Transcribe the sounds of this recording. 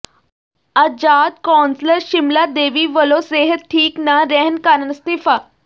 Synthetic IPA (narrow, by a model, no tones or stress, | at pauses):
ad͡ʑaːd̪kɔnsləɾɕimlad̪eːʋiʋəloseɦət̪̚ʈʰːiːknaɾɛɦnkanənst̪ifa